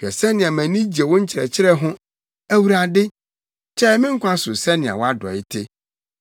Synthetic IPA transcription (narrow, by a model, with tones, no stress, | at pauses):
kɛ˨sɛ˦nɪ̃˨a˨mæ̃˨nĩ˦d͡ʑi˨ɛ˨wɔ̃˦ɲ̩˦t͡ɕʰɪ˨ɾɛ˨t͡ɕʰɪ˦ɾɛ˦ɦʊ̃˦ | æ˦˨wu˨ɾa˨dɪ˦ | t͡ɕʰɛ˦mɪ̃˦ŋ̩˦kʷã˦sʊ˨sɛ˦nɪ̃˨a̰˨wɔ˦a˦dɔ̰˨ɪ˦tʰe˦